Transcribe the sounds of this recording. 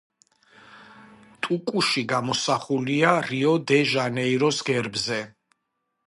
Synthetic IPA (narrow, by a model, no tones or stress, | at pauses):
t̪ʼukʼuʃiɡamɔsaχuliaɾiɔd̪ɛʒanɛiɾɔsɡɛɾbzɛ